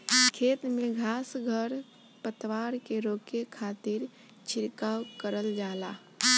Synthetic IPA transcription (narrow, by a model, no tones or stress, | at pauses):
kʰeːt̪mẽɡʱaːsɡʱəɾ | pət̪waːɾkeɾoːkekʰaːt̪ɪɾ | t͡ʃʰɪɾkaːwkəɾəld͡ʒaːlaː